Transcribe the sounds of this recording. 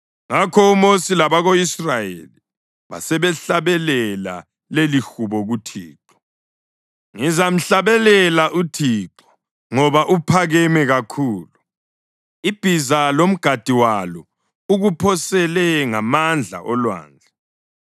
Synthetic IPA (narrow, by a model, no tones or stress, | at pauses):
ŋakʰɔumosilaβaɣoisrajḛli | βa̰sɛβɛɬaβɛlɛla̰ | lelixuβɔɣutʰḭːǁɔ̥ | ŋizam̩ɬaβɛlɛlaʔutʰiǁɔ̥ | ŋɔβaʔupʰaɣɛmɛɣakʰuːlu | ib̥ʱizalom̩ɡ̥ʱad̥ʱiwalɔ | uɣupʰɔsɛlɛŋamand͡ɮʱa̰ʔɔlwa̰ːnd͡ɮʱɛ